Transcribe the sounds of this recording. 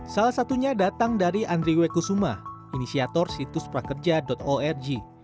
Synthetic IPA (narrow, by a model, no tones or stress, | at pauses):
salahsat̪uɲadat̪aŋdaɾiʔand̪ɾiwekusumah | inisiat̪ɔrsit̪uspɾakərd͡ʒadɔt̪oɛrd͡ʒi